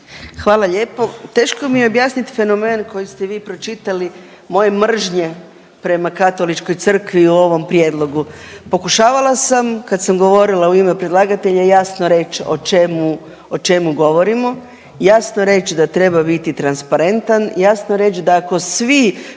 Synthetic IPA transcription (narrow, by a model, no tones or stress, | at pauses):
xʋaːlˠaʎe̞ːpo̞t̪e̞ːʃko̞mijeobjaːsnit̪i̥fe̞no̞me̞ːnko̞jist̪e̞ʋiːpɾo̞t͡ʃit̪ali | mo̞je̞mr̩ʒɲe̞ | pɾe̞makat̪o̞lit͡ʃko̞jt̪sr̩kʋiuo̞ʋo̞mpɾije̞d̪lˠo̞ɡupo̞kuʃaːʋalˠasamkad̪samɡo̞ʋo̞ɾilauimepɾed̪lˠaːɡat̪e̞ʎajasno̞ɾe̞t͡ʃo̰t͡ʃemu | ot͡ʃe̞muɡo̞ʋo̞ɾimo̞ | jasnoɾe̞t͡ʃd̪at̪ɾe̞babit̪it̪ɾanspaɾe̞nt̪anjasnoɾe̞t͡ʃd̪aːko̞sʋi